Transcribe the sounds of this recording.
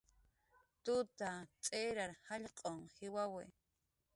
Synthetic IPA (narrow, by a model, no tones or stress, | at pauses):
t̪ʊt̪at͡sʼeɾaɾhaʎqʼoŋhɪwawḛ